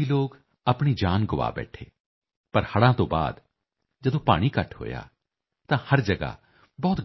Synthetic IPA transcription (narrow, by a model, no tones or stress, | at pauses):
iloːk | ɐpɽ̃id͡ʒaːnɡʊʋa̰ːbɛ̰ːʈʰeː | pɐɾhɐɽãːt̪õːba̰ːd̪ | d͡ʒɐd̪õːpa̰ːɽ̃ikɐʈʰɦo̰ːja̰ː | t̪ãːhɐɾd͡ʒɐɡa̰ | bɔːt̪